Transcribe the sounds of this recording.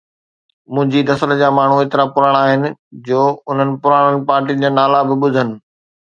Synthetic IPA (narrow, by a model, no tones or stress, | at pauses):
mʊ̃ɦɪ̃ɲd͡ʑinɐsəld͡ʑaːmaːɳ̤ueːt̪ɪɾapʊɾaːɽ̃aːɦɪnɪ̆d͡ʑoːʊn̤ənɪ̆pʊɾaːɽ̃ənɪ̆paːɾʈiːənɪ̆d͡ʑaːnaːlabɪɓʊd̪ʱənɪ̆